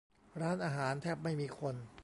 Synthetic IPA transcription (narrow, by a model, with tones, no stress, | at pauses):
ɾaː˦˥nʔaː˧ɦaː˩˦nt̪ʰɛː˥˩p̚ma˥˩jmiː˧kʰo˧n